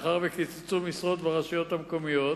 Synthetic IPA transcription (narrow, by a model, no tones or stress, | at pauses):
χaʁvekit͡sot͡sumisʁot̪veʁaʃijo̞t̪hamko̞mijo̞t